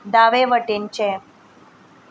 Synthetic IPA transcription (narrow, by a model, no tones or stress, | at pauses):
d̪aʋeʋəʈent͡ɕe